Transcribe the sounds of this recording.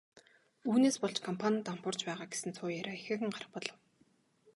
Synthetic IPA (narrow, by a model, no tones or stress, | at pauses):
uːneːspɔɮt͡ɕkʰɔmpʰanʲt̪ampʊːr̥t͡ɕpæːʁaːɡe̥sɘ̆nt͡sʰʊːjæɾʲaːexĕːɣɘ̆ŋɢarə̆pɔɮə̆w